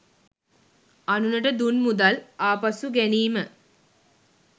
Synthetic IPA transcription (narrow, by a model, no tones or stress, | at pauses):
anunəʈəd̪unmud̪alaːpasuɡæniːmə